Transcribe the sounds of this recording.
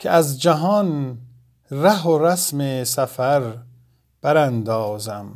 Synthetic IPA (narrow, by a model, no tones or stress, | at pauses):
kʰeʔæzd͡ʒæɦɒn | ɾæɦoɾæsmesæfæɾ | b̥æɾænd̪ɒːzæm